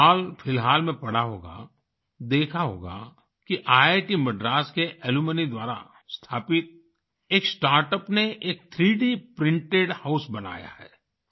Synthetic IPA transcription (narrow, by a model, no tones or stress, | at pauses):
ɦaːlfʰɪlɦaːlmẽpɐɽ̤aɦoːɡa̰ | d̪eːkʰaɦo̰ːɡa̰ | kiʔaːeʈimɐɖɾaːskeʔɛlumənid̪waːɾa̰ | st̪ʰaːpɪt̪̚ | eːksʈaːɾʈəpneʔeːk̚t̪ʰɾiːɖipɾɪ̃ɳʈeɖhaʊsbɐna̰ːja̰hɛ̰ː